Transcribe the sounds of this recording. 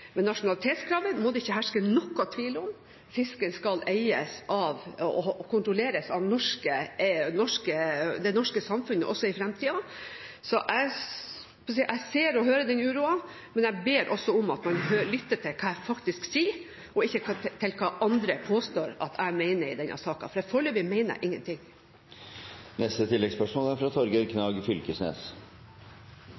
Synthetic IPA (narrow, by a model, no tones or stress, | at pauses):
mɛnːɑʂʊnɑlɪt̪ʰeːt̪skʰɾɑːʋənmɔd̪ɛɪçːəɦæʂkənɔkːɑt̪ʰʋiːləʊm | fɪskənskɑleɪəsʔɑʋɔkʰʊnt̪ɾɔleːɾəsɑʋnɔʂkənɔʂkəd̪ɛnɔʂkəsɑmfʉnə̰ʔɔsːɔɪfɾɛmt̪ʰiːɑsɔʔæɪ | ɔs̬iːʔæɪseːɾɔɦøːɾəd̪ɛnʉːɾuːɑ | mɛnæɪbeːɾʔɔsːɔʊmɑt̪mɑnhøːɭʏt̪ːəʈʰɪlkʰɑːæfɑkt̪ɪsksiː | ɔɪçːəkʰt̪ʰɪlkʰɑːʔɑnd̪ɾəpʰoːst̪oːɾɑ̰t̪ʰæmɛɪnəɾɪd̪ɛnʔɑ̰sɑːkɑ̰fɔɾæfɔɭøːʋɪmæɪnə̰ɾʔɪŋːə̰nt̪ɪŋ | nɛst̪ət̪ʰɪlːɛɡspœʂmɔːlæɾfɾɑt̪ʰɔɾɡəɾkʰnɑːɡfʏlkəsnḛːs